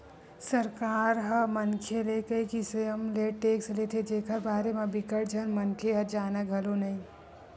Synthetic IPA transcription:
səɾkaːɾɦəmənkʰelekəikisəəmleʈeːkslet̪ʰed͡ʒeːkəɾbaːɾemebɪkəʈ̚d͡ʒənmənkʰeɦəd͡ʒaːnəɡʱəlonəĩ

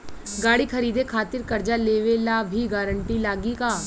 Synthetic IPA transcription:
ɡaːɽikʰɐɾiːd̪ekʰaːt̪ɪɾkɐɾd͡ʒaleːʋelaːbʱiɡaːɾəɳʈilaːɡikaː

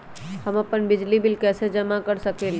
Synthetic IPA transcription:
həməpənbɪd͡ʒlibilkɛsed͡ʒəmakəɾsəkel

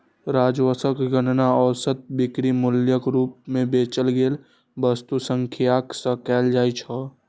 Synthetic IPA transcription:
ɾaːd͡ʒwəsəkɡənnaɔːɾsət̪̚bɪkɾimʊljəkɾuːp̚mẽbeːt͡ʃəlɡeːl | bəst̪usə̃ŋkʰjaːksəkɛːld͡ʒaːit͡ʃʰɔ

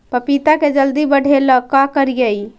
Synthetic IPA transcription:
pəpit̪aked͡ʒəld̪ibəɽ̤eləkːakəɾijəj

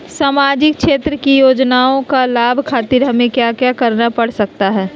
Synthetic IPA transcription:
saːmaːd͡ʒɪk̚ʃeːt̪ɾəkijoːd͡ʒnaːõkalaːbʱkʰaːt̪iɾɦɐmẽkjaːkjakɐɾnapɐɽ̤sɐk̚t̪aɦɛː

